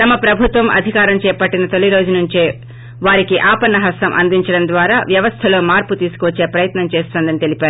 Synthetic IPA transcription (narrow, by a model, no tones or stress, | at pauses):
t̪ɐmɐpɾɐbʱut̪ʋɐmʔɐ̰d̪ʱikaːɾɐmt͡ʃɛːpɐʈːinɐt̪oliɾo̞ːd͡ʒunuɲt͡ʃeː | ʋaːɾikiʔaːpɐnːɐɦɐst̪ɐmʔɐ̰nd̪iɲt͡ʃɐɽɐnd̪ʋaːɾaːʋjɐʋɐst̪ʰɐlo̞ːmaːɾput̪iːsu̥kuʋɐt͡ʃːe̞ːpɾɐjɐt̪nɐmt͡ʃeːst̪oːnd̪ɐnit̪e̞lipæːɾu